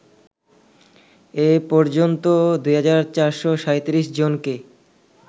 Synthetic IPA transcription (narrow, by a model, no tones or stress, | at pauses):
epɔɾd͡ʑont̪od̪ujɦad͡ʑaɾt͡ɕaɾʃoʃaet̪iɾiʃd͡ʑonke